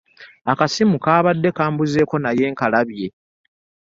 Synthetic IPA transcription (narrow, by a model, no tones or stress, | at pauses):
akasimukaːβadːe̞kaːmbuze̞ːko̞naje̞ːŋkalaβje̞